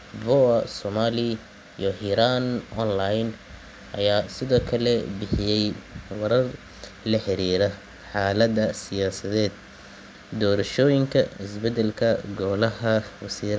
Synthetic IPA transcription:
vɔɐsɔmaːlɪ | ijɔhiːɾaːnʔɔnlajn | ʔɐjaːsɪðɔːkʰɐlɛbɪħɪjɛjwɐɾɐr | lɐħɪɾiːɾɐ | ħaːlɐðɐsɪjaːsɐðɛːd̪ | d̪ɔːɾɐʃɔːjɪŋkʰɐɪsbɛd̪ɛlkʰɐɡɔːlɐɦɐwɑsiːɾ

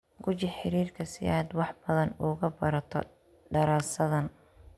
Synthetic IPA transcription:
ɡʊt͡ʃɪħɪɾiːrkʰɐsɪ̰aːd̪wɑħbɐðɐnʊɣɐbɐɾɐt̪ʰɔ̰ | ɖɐɾaːsɐðɐn

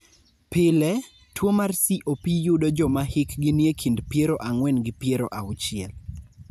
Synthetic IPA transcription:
pɪlɛ | twomarsiʔopijʊdɔd͡ʒɔmahɪkɡɪnjekʰindpjeɾoʔaŋwɛnɡɪpjeɾoʔaʊt͡ʃɪɛ̰l

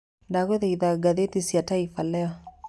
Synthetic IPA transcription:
ndaɣweðaiðaɡaðetisjataifalɛɔ

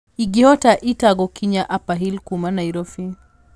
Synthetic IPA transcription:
iɡiɔtaʔitaɡɔkiɲaʔapaɦilkumanaiɾɔfi

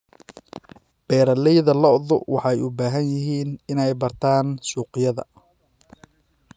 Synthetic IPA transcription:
b̥ɛːɾɐlɛjðɐlɔʔðʊwɑħɑɛjʊbaːɦɐnjɪɦiːnɪnɛjbɐrt̪ʰaːnsuːqɪjɐðɐ̰

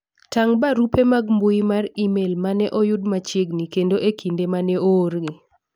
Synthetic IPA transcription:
taŋbaɾupemaɡmbʊimarimelmanɛʔɔjʊdmat͡ʃeɡnikendoʔekʰindemanɛoːrɡi

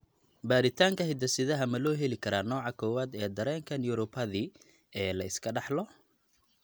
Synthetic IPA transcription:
baːɾɪt̪ʰaːŋkʰɐɦɪd̪ɐsɪðɐɦɐmɐlɔːɦɛlɪkʰɐɾaːnɔːʕɑkʰɔːwaːd̪ɛːd̪ɐɾɛːŋkʰɐnjʊɾʊbɐði | ɛːlɐɪskʰɐɖɑħlɔ

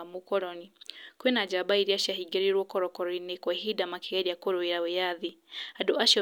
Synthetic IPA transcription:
amukɔɾɔnikwenad͡ʒabaiɾiaʃaɦiɡɛɾiɾwɔkɔɾɔkɔɾinekwaɦidamakiɣaɾiakoɾoeɾawejaðiadoaʃɔ

